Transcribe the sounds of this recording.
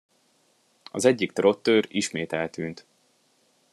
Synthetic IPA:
ɒ̰zɛɟːik̚t̪ro̞t̪ːøːɾiʃmeːt̪ɛlt̪yːnt̪

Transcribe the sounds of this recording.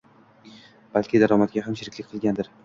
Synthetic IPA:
b̥alkʲʰɪd̪aɾɒmat̪̚ɡʲaɦamʃɪɾɪkʲlɪk̚ʲqʰɨlˠɡʲand̪ɪɾ

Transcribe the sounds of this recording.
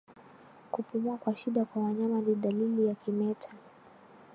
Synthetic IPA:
kupumuakwaʃiɗakwawaɲamaniɗalilijakimɛtʰa

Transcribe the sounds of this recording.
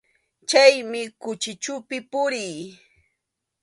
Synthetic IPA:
t͡ʃajmɪkʊt͡ʃɪt͡ʃʊpɪpʊɾij

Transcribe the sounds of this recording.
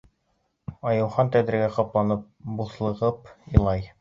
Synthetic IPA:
ɑjɤ̆wχɑnt̪æd̪ɾɘ̆ɡæqɑplˠɑnɤp̚buθlˠɤ̆ʁɤpĭlˠɑj

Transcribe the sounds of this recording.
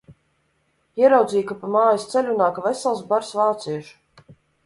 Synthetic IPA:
iɛɾawd̪ziːkapamaːjast̪sɛlʲunaːkavɛsɛlˠsbaɾsvaːt̪siɛʒu̥

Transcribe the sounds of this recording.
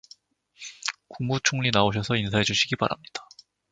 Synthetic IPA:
kuŋmut͡ɕʰoŋʎinaoɕ̬ʰʌsʰʌins̬ʰaɦe̞d͡ʑuɕʰiɡiba̰ɾa̰mɲid̥ḁ

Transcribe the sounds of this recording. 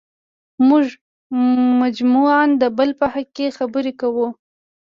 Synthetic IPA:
mʊʒ | mad͡ʒmuand̪əbəlpahakexabəɾekawu

